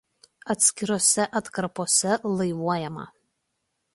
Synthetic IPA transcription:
ɐt̪ʲsʲkʲɪɾoːsʲɛʔɐt̪kɐɾpoːsʲɛlˠɐɪʋuɔjɛmɐ̰

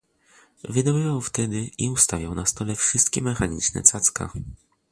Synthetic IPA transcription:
vɘd̪ɔbɘvawft̪ɛd̪ɘiust̪avʲjawnast̪ɔlɛfʂɘst̪kʲɛmɛxaɲḭt͡ʂnɛ̰t̪sat̪ska̰

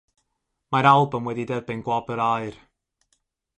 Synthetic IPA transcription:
maɾalˠbəmwɛdidɛbɨnɡwɔbəɾaɨr

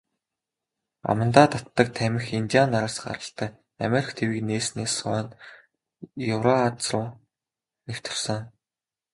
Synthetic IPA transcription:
a̰mə̆nt̪aːt̪ʰat̪ːə̆k̚t̪ʰæmʲɪ̆xint̪ianaɾaːsɢa̰ɾə̆ɬt̪æː | a̰meɾʲikt̪ʰewiːkneːsneːsɔːnt̪ | jɵwɾaat͡srʊː | new̥t̪ɪ̆rsə̆ŋ

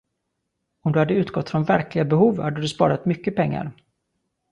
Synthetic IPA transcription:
ɔmd̪ɵhad̪ːəʉ̟ːt̪ɡɔt̪ːfɾɔnvæɾklɪɡabɛɦuːvhad̪ːəd̪ɵspɑ̰ːɾat̪mʏkːəpʰɛŋːa̰ɾ

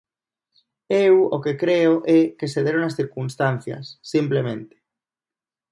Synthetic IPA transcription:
ewokekɾeoʔɛkeseðeɾonasθiɾkunst̪an̟θja̰sːimplemẽnt̪e̥

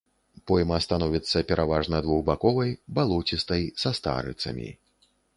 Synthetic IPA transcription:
pɔjmɐst̪anɔvʲit̪sːɐpʲɛɾʔavaʐnɐd̪vuɣbakɔvɐjbalˠɔt͡sʲist̪ɐjsɐst̪a̰ɾɨ̰t̪sɐ̰mʲḭ

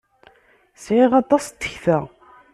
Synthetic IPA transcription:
sʕɪʁɑt̪ˤːɑst̪ːəçθæ

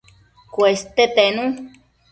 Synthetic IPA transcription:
kwest̪et̪enũ

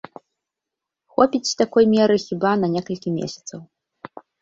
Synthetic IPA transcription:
xɔpʲit͡sʲt̪akɔjmʲɛɾɨxʲibanɐnʲɛkɐlʲkʲimʲḛsʲɐ̥t̪sɐw

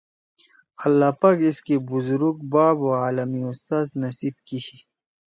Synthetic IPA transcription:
ɐlːaːpaːkiskebuzuɾuk̚baːboaːlɐmiust̪aːznɐsib̚kiɕi

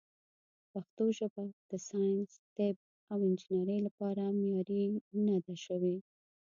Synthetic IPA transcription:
paxt̪oʒabad̪̥əsɑjnst̪eb̚ | awɪnd͡ʒɪnaɾəjlapɑɾamjɑɾinad̪aʃəwe

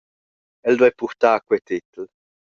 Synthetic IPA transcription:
ɛld̪wɛpuɾt̪aːkwɛt̪ɪt̪əl

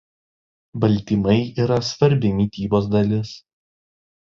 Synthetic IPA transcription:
bɐlʲt̪ʲiːmɐɪʔiːɾɐsʋɐɾʲbʲɪnʲiːt̪ʲiːboːs̬d̪ɐlʲɪs

